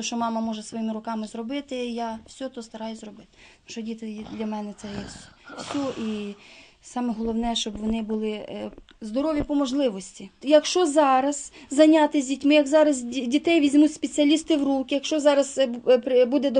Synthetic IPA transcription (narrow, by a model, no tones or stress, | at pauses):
ɔʃt͡ʃɔmɑmɐmɔʒɛsʋɔjimɪɾʊkɑmɪzrɔbɪt̪ɪjawsʲɔt̪ɔst̪ɐɾɑjʊzrɔbɪt̪ɪ̥muʃɔdʲit̪ɪd̪lʲɐmɛnɛt̪sɛjɛsʲɔʔi | sɑmɛɦɔlˠɔwnɛʃt͡ʃɔbʋɔnɪbʊlˠɪ | zd̪ɔɾɔʋʲjipɔmɔʒlˠɪʋɔsʲtʲijɐkʃt͡ʃɔzɑɾɐz̥zɐnʲɑt̪ɪzʲdʲitʲmɪjɐɡzɑɾɐzdʲit̪ɛjʋʲizʲmutʲspet͡sʲiɐlʲist̪ɪwɾukʲɪjɐkʃt͡ʃɔzɑɾɐzpbud̪ɛ